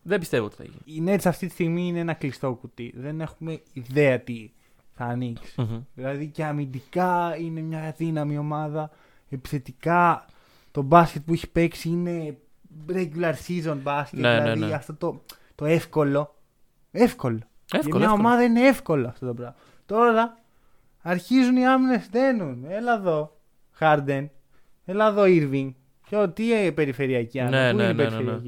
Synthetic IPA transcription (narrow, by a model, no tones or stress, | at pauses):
ðebist̪evo̰t̪i̥θɐ̰ʝḭine̞t̪sɐft̪it̪i̥st̪iɣmiineenɐklist̪o̞kut̪iðe̞ne̞xume̞iðe̞ɐt̪i | θɐːniksi̥ðilɐðiceɐmind̪ikɐine̞mɲɐðinɐmio̞mɐðɐ | epi̥θe̞t̪ikɐ | t̪o̞bɐscet̪̚pueçi̥pe̞ksiine̞ | ɾeʝulɐɾsizonbɐskeelðiɐft̪ot̪o̞ | t̪o̞e̞fko̞lo̞ | e̞fko̞lo̞ | femɲɐomɐðɐine̞efko̞lɐɐft̪o̞t̪opɾɐvmɐ | t̪o̞ɾɐː | ɾçizuniɐmine̞ste̞nunelɐðo̞ | xɐɾd̪en | elɐðo̞iɾviŋ | cot̪ipe̞ɾife̞ɾiɐciɐneuieipeɾifeɾɐki